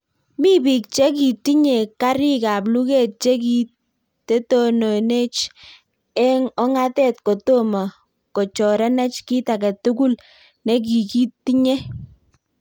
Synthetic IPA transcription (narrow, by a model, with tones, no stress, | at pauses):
mi˦bi˨k̚t͡ʃɛ˦k̬i˨ti˦ɲe˨ka˦ɾi˦ka˨p̬lu˦ke˦˨t̚t͡ʃe˦k̬i˦ | te˦to˦no˨ne˦t͡ʃ | ɛ˦ŋɔ˦ŋa˦tɛ˦˨tko˨to˦ma˨ | ko˨t͡ʃɔ˨ɾɛ˦nɛ˦t͡ʃki˦ta˨kɛ˨tu˦ku˦l | ne˦k̬i˨ki˦ti˦ɲe˦